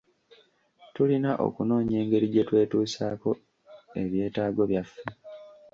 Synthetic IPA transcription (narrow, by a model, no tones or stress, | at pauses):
tulinaʔo̞̰kuno̞ːɲe̞ːŋɡe̞ɾiɟe̞twe̞ːtuːsaːko̞ | e̞βje̞ːtaːɡo̞βjafːe